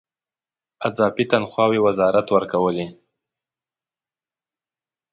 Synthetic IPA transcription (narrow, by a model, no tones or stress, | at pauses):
azɑbit̪anxwɑwewazɑɾat̪wəɾkawəle